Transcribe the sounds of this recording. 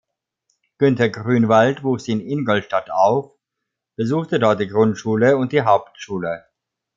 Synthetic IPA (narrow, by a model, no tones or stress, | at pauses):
ɡ̥ʏntɐɡʁyːnvaltv̥uːxz̥iːɪnɪnɡɔltʃtataʊf | b̥əzuːxtədɔɐt̚d̥iːɡʁʊntʃuːləʊnt̚d̥iːɦaʊptʃuːlə